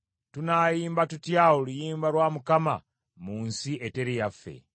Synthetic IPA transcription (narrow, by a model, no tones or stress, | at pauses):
tunaːjiːmbatutjaolujiːmbalwamukama̰ | muːnsiʔe̞te̞ɾijafːe̞̰